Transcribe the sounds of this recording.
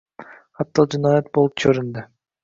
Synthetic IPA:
ɑt̪ːɑlˠd͡ʒunɑːjɑt̪̚bolˠup̚t͡ʃʰøɾynd̪ø

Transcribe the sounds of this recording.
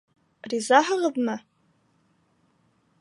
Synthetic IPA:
rizaħaʁəðma

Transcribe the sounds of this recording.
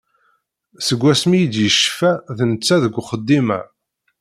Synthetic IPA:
səɡʷːæsmijid̪jəʃfæðnət͡sːæðəɡʷχəd̪ːimæ̰

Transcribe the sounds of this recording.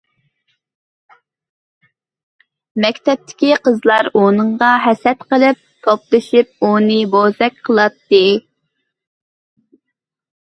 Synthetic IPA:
mɛkʲt̪ʰɛp̚t̪ʰɪ̥kʲiqʰəzlˠɑɾonɨɴʁɑɦɛsɛt̪qəlˠɨp̚t̪ʰoplˠɨʃip̚unɨbozɛk̚ʲqʰəlˠɑt̪ːɨ

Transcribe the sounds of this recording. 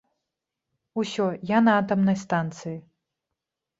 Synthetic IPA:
usʲɔjanɐat̪ɐmnɐjst̪ant̪sɨji

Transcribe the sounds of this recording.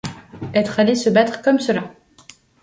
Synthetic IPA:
ɛt̪χalesəbat̪χkɔmsəla

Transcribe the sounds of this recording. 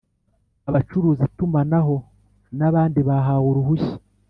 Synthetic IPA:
aβat͡ʃuɾuːzitumanaɦo̞ | naβaːndiβaɦawuɾuɦuçi̥

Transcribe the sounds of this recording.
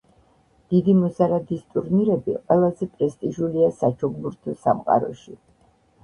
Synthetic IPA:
d̪̥id̪imɔzaɾad̪ist̪ʼuɾniɾɛbiqʼwɛlˠazɛpʼɾɛst̪ʼiʒuliasat͡ʃʰɔɡbuɾt̪ʰɔsa̰mqʼa̰ɾɔ̰ʃi

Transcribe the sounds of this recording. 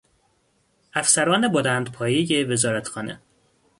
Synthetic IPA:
æfsæɾɒːne̞bolæːnd̪pʰɒːjejeve̞zɒːɾæt̪xɒːnḛ

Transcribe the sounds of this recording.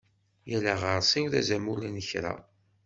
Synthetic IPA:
jælæʁəɾˤsinðæ̰zæmulinəçɾa̰

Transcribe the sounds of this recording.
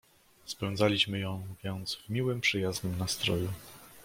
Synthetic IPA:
spɛnd̪zalʲiɕmɘjɔ̃w̃vʲjɛnd̪zvmʲiwɘmpʂɘjaznɘmnast̪ɾɔju

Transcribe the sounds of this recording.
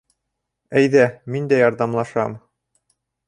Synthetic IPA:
æjðæmind̪æjɑɾðɑmlˠɑʃɑm

